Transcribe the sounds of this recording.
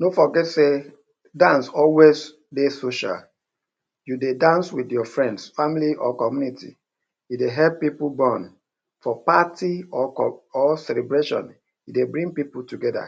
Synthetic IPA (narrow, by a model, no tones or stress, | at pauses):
nofɔɡɛtse | dãnsɔlwez | desoʃa̰l | judedãnswidjɔfɹɛ̃ndsfamiliʔɔkɔmjunitḭ | jideɦɛlppipubɔ̃n | fɔpatiɔɔsɛlɛbɹeʃɔ̰̃n | jidebɹĩŋpipultuɡɛda̰